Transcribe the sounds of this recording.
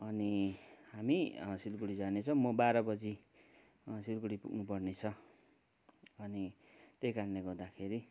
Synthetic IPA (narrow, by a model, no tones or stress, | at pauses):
ʌnihamisilkuɽid͡zanet͡sʰʌ̃mʌbaɾʌbʌd͡zi | silkuɽipṵɡnupʌrnet͡sʰʌ | ʌni | t̪ekarneɡʌɾd̪akʰeɾi